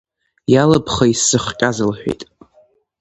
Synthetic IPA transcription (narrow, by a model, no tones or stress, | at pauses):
jalapʰχaisɨχkʲʼazɨlħʷᶣḛjtʼ